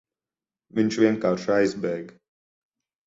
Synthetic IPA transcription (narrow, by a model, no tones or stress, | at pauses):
viɲt͡ʃvʲiɛŋkaːɾʃajzbɛjɡ